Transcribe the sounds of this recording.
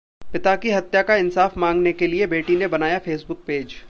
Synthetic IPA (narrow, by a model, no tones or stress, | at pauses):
pɪt̪akiɦɐt̪jakaɪnsaːfmãːŋɡnekeliebeːʈinebɐnaːjafeːsbʊk̚peːd͡ʒ